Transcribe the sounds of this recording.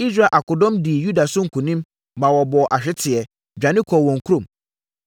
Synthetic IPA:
i˦sɾa˦˨ʔa˨kʊ˨dɔ̃˦mdi˨ju˦da˨sʊ˦ŋ̩˦˨kʰũ˨nĩ˦m | mã˨wɔ˨bɔ˨ʔa˨ɕᶣɪ˦tʰɪ˨ɛ˨ | d͡ʑᶣã˨nɪ̃˦kʰɔ˨wɔ̃˨ŋ̩˨kʰu˦õ˨m

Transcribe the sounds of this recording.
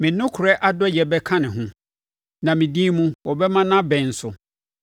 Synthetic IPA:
mɪ̃˨nʊ̃˦kʰʊ˨ɾɛ˦ʔa˦dɔ˦jɛ˨bɛ˦kʰã˦nɪ̃˨ɦʊ̃˦ | nã˨mɪ̃˨di˦mũ˦wɔ˨bɛ˦mã˦nã˦bɛ̃˨n̩˨sʊ˨

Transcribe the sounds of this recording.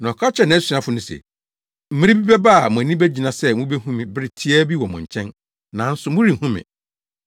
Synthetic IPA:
nã˨kʰa˦t͡ɕʰɛ˨nã˨æ˦si˨ã˦fʊ˦nʊ̃˨sɛ̰˨ | m̩˦mɪ̃˦ɾĩ˦bi˦bɛ˦ba˦a˨mʊ̃˨æ˨nĩ˦bæ˦d͡ʑi˨nã˨sɛ˦mũ˦be˦hũ˦mɪ̃˨bɪ˦ɾɪ˨tʰi˦ɛ˦bi˦wɔ˨mʊ̰̃˨ɲ˨t͡ɕʰɛ̃˦n | nã˨˦n̩˦sʊ˨mʊ̃˦ɾi˨hũ˦mɪ̰̃˨

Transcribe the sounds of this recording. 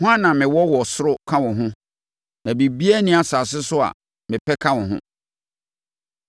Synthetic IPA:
hʊ̃˦a˦nã˨mɪ̃˨wɔ˦wɔ˨sʊ˦ɾʊ˦kʰã˦wʊ̃˨ɦʊ̃˦ | nã˨bi˨bi˦æ˦nĩ˦a˨saː˨s̬ɪ˦sʊ˦a̰˨ | mɪ̃˨pʰɛ˦kʰã˦wʊ̃˨ɦʊ̰̃˦

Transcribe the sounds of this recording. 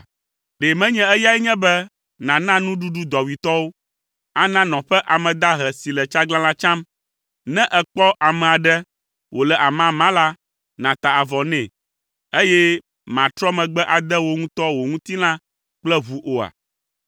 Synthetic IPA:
ɖe˨mɛ̃˦ɲɛ̃˦ɛ˦ja˦ɛ˦ɲɛ̃˦bɛ˦ | nã˨nã˦nũ˦ɖu˦ɖu˦d̪ɔ˨wi˨t̪ɔ˦wo˦ | a˦nã˦nɔ̃˨ɸɛ˦ʔa˨mɛ̃˨d̪a˦ɦɛ˨si˨lɛ˨t͡ʃa˦ɡlã˦lã˦t͡ʃã˦m | nɛ̃˦ʔɛ˨k͡pɔ˦ʔa˨mɛ̃˨a˨ɖɛ˦ | wo˨lɛ˨ʔa˨mã˦mã˦la˦ | nã˨t̪a˨a˨vɔ˨nɛ̃˨ | e˦jɛ˦ | mã˨t̪ɾɔ˦mɛ̃˨ɡ͡bɛ˦ʔa˨d̪ɛ˦wo˦ŋũ˦t̪ɔ˦wo˨ŋũ˦t̪i˦lã˦ | k͡plɛ˦βu˨ʔo˨a̰˨

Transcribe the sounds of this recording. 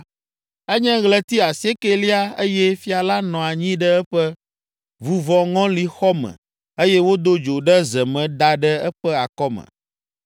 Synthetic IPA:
ɛ˦ɲɛ̃˦ɣlɛ˦t̪i˦a˨se˦ke˦li˦a˦e˦jɛ˦fi˦a˨la˦nɔ̃˨a˨ɲĩ˦ɖɛ˦ɛ˦ɸɛ˦ | vu˨vɔ˨ŋɔ̃˦li˨xɔ˦mɛ̰̃˨ | e˦jɛ˦wo˦d̪o˦d͡ʒo˨ɖɛ˦zɛ˨mɛ̃˨d̪a˨ɖɛ˦ɛ˦ɸɛ˦a˨kɔ˦mɛ̰̃˨

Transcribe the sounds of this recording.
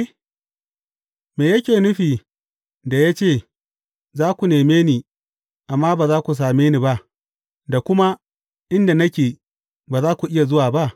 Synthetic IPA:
meː˨jɐ˦kʲeː˨nʊ˦ɸiː˨ | da˨ja˦t͡ʃeː˦˨ | zaː˦kʷu˨neː˨meː˦niː˨ | ʔa˨mːaː˦baː˨zaː˦kʷu˨s̬aː˨meː˦niː˨ba˦ʔ | da˨kʷʊ˦ma˦ | ʔɪ˦nda˨nɐ˦kʲeː˨ | baː˨zaː˦kʷu˨ʔɪ˦ja˨zʊ˦waː˨ba˦ʔ

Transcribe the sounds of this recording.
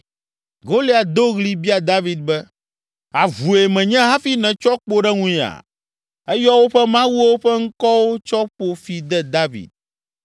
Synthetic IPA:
ɡo˦li˦a˨d̪o˦ɣli˦bi˦a˨d̪a˦vi˨d̪̚bɛ˦ | a˨vu˨e˨mɛ̃˨ɲɛ̃˦ɦã˦fi˦nɛ̃˨t͡ʃɔ˦k͡po˦ɖɛ˦ŋũ˦˨a̰˨ | ɛ˦jɔ˦wo˦ɸɛ˦mã˦wu˦wo˦ɸɛ˦ŋ̩˦kɔ˦wo˦t͡ʃɔ˦k͡po˦fi˨d̪ɛ˦d̪a˦vḭ˨d̪̚

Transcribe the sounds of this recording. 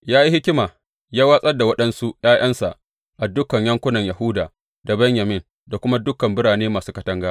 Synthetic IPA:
jaː˦ji˦hɪ˦kʲɪ˦maː˨ | jaː˦wa˦sʼɐ˦rda˨wɐ˦ɗɐ˦nsu˦j̰aː˦j̰ɐ˦nsa˨ʔ | ʔa˨dʊ˦kɐ˨ɲjɐ˦ŋkʷʊ˦nɐ˨ɲjɐ˨hʊ˦daː˨ | da˨bɛ˦ɲjɐ˨mɪ˦n | da˨kʷʊ˦ma˦dʊ˦kɐ˨mbɪ˦ɽaː˨neː˦maː˨suː˦kɐ˦tɐ˦ŋɡaː˦

